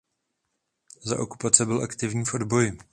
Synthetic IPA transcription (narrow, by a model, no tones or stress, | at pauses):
za̰ʔo̞ku̥pat͡sɛbɪlʔakt̪ɪvɲiːfʔo̞dbo̞jɪ